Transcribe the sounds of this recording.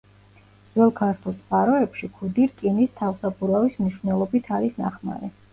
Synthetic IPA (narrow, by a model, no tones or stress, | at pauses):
zɛlˠkʰaɾt̪ʰulˠt̪sʼqʼaɾɔɛpʃikʰud̪iɾkʼinist̪ʰafsabuɾavismniʃwvnɛlˠɔbit̪ʰaɾisna̰χma̰ɾɛ